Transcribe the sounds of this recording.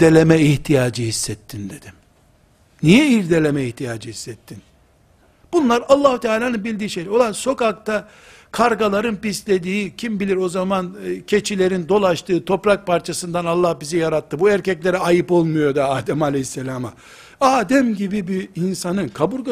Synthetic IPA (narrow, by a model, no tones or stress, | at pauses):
elʲemɛiht̪ʰijaːd͡ʒɯhisːɛt̪ʰːind̪e̞d̪̥im | nijɛiɾd̪e̞lʲemɛiht̪ʰijaːd͡ʒɯhisːɛt̪ʰːin | b̥unlˠaɾalˠːaːhut̪ʰɛaːlʲaːnɯnbilʲd̪iːʃejlʲo̞lˠanso̞kak̚t̪a | kʰaɾɡalˠaɾɯnpislʲe̞d̪iːcʰimbilʲiɾo̞zamancʰe̞t͡ʃʰilʲe̞ɾind̪o̞lˠaʃt̪ʰɯːt̪ʰo̞pɾak̚paɾt͡ʃʰasɯnd̪analˠːahbizijaɾat̪ːɯbuæɾcɛclʲe̞ɾɛajɯpo̞lˠmujo̞d̪aaːd̪ɛmalʲɛhisːelʲaːma | aːd̪ɛmɟibibiinsanɯnkʰabuɾɡ